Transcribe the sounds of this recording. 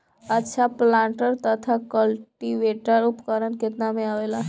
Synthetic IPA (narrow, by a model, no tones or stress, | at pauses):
ətːʃʰaplãɳʈəɾt̪ət̪ʰakəlʈiʋeʈəɾupkəɾənket̪namẽaʋela